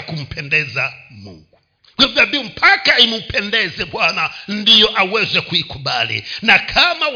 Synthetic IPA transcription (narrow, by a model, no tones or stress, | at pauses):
kum̩pʰɛndɛzamṵŋɡu | kivabium̩pʰakaimupʰɛndɛzɛɓwanandijɔʔawɛzɛkuikuɓalḭnakʰama